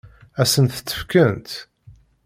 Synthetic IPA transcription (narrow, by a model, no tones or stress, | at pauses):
æsənθə̥t͡s̪ːə̥fkənt̪